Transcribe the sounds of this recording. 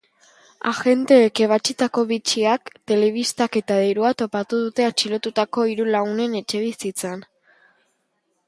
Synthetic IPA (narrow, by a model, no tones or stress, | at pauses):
a̰xe̞nt̪e̞ːke̞β̞at͡ʃit̪ako̞βit͡ʃiakt̪e̞le̞β̞ist̪ake̞t̪að̞eɾuat̪o̞pat̪uðut̪e̞at͡ʃilo̞t̪ut̪ako̞iɾulaune̞ne̞t͡ʃe̞β̞isit͡san